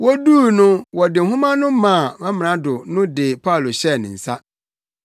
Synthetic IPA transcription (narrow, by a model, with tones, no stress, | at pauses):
wɔ˦duː˦˨nʊ̃˦wɔ˨dɪ˨ɦʊ̃˦mã˦nʊ̃˦mã˨mɛ̃˦m˨ã˨˦dʊ˨nʊ̃˦dɪ˨pʰa˦˨lo˨ɕɛ˦˨nɪ̃˨n̩˨sa˦